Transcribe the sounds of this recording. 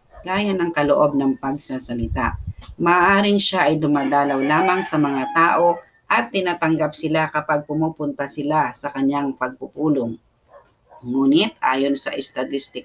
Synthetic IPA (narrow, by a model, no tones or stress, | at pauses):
ɡ̥aːjanɐŋkɐloʔo̞b̚nɐŋpɐɡ̚sɐasɐlɪt̪a̰ʔmaːʔaːɾɪŋʃaʔɐjd̪ʊmaːd̪aːlɐwlaːmaŋsɐmɐŋat̪aːʔo̞ | ʔɐt̪ːɪnaːt̪ɐŋɡap̚sɪlakɐpaɡ̚pʊmupʊnt̪ɐsɪlasɐkɐɲjaŋpɐɡ̚pʊpuːloŋ | uːnɪt̪̚ʔa̰ːjonsɐʔɛst̪ɐt̪ɪst̪ɪ